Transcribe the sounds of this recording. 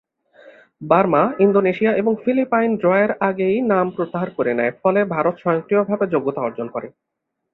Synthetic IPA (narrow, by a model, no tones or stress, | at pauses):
baɾmaind̪oneʃiaʔeboŋfilipajnɖɾɔeeɾaɡejnampɾot̪ːaɦaɾkoɾenɛefɔlebʱaɾot̪ʃɔjoŋk̪ɾiobʱabed͡ʑoɡːot̪aɔɾd͡ʑonkɔɾe